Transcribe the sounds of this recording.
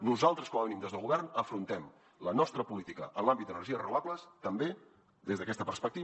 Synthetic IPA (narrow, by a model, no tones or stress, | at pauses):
nuzalˠt̪ɾəskɔməβənimd̪ezðəlˠɣuβɛrnəfɾunt̪ɛm | lənɔst̪ɾəpulit̪ikə̰ʔənlˠambit̪̚d̪ənərʒiərəuβakuləst̪əmbe | d̪ezðəkɛst̪əpəɾspək̚t̪i